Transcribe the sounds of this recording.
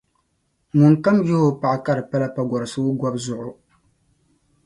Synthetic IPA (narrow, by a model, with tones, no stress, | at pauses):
mu˨nka˦mjo˦ho˦pa˨ʔka˦ɾɨ˨pa˦la˨pa˨ɡʷɔ˨ɾɨ˨sɨ˦ɡʷa˦bzʊ˨ʔʊ˨